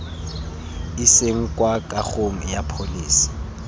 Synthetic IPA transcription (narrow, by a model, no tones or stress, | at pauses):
ɪseŋ̩kʼwakʼaχoŋ̩japʰoliːsi̥